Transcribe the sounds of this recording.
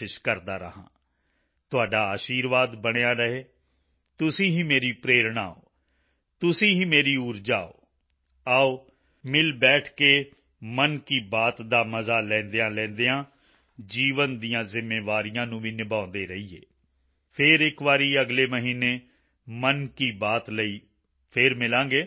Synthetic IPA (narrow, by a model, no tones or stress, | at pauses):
ɪʃkəɾd̪aːɾə̰ɦã̰ː | t̪ʊaːɖaːaːʃiːɾʋaːd̪bəɽ̃ejãːɾəɦeː | t̪ʊsĩːɦĩːmeːɾiːpɾeːɾɳa̰ːo̰ː | t̪ʊsĩːɦĩːmeːɾiːuːɾd͡ʒaːo̰ː | aːoː | mɪlbɛːʈʰkeː | mənkiːbaːt̪d̪aːməzaːlɛ̃ːnd̪eːãːlɛ̃ːnd̪eːãː | d͡ʒiːʋənd̪ijãːzɪmeːʋaːɾijãːnũːʋiːnɪbãːnd̪eːɾəiːḛː | pʰɪɾɪkʋaːɾiːəɡleːməɦiːneː | mənkiːbaːt̪ləiː | pʰɪɾmɪlãːɡeː